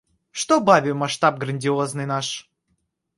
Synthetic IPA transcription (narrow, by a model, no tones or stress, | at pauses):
ʂt̪obavʲɪmɐʂt̪ap̚ɡɾənʲdʲɪoznɨjnaʂ